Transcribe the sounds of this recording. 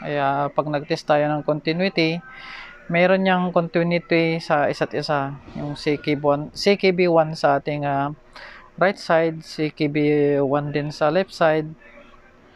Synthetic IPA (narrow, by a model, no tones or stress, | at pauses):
ʔɐjapɐɡ̚nɐɡ̚t̪ɛst̪aːjonɐŋkont̪ɪnwɪt̪ɪ | mɛːɾonɲaŋkont̪unɪt̪isɐʔɪsat̪ʔɪsajʊŋsikibwansikibiwansɐʔaːt̪ɪŋa | ɾajt̪̚sajd̪̚sikibiwand̪ɪnsɐlɛpsajd̪̚